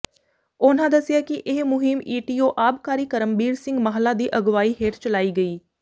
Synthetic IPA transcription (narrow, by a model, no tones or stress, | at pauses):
ʊnãːd̪əsɪjaːkɪʔɪɦmʊɦɪmiːʈiːoːʔaːbkaːɾiːkəɾəmbiːɾsɪ̃ŋɡməɦəlãːd̪iːʔəɡʋaːiːɦeːʈt͡ʃəlaːiːɡəiː